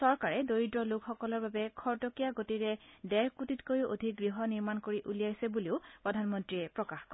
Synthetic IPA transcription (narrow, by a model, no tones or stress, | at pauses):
sɔɹkaɹɛdoɹidɹɔlukxɔkɔlɔɹbabɛkʰɔɹtɔkijaɡotiɹɛdɛɹkutitkojuʔo̰dʱik̚ɡɹiɦɔniɹmankoɹiʔulijajsɛbuliʊpɹɔdʱanmɔntɹiɛpɹɔkaxkɔ